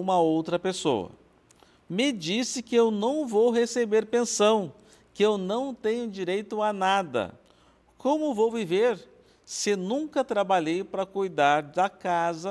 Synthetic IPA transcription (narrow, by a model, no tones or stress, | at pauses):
ũmɐowt̪ɾɐpeso̰ɐ̰ | mɪd͡ʒisɪkɪewnɐ̃w̃vowɦesebeɾpẽsɐ̃w̃ | kɪewnɐ̃w̃t̪ẽɲʊd͡ʒiɾejt̪ʊanad̪ɐ̰ | kõmʊvowviveɾ | sɪnũkɐt̪ɾabaʎejpɾɐkujd̪aɾd̪ɐkazɐ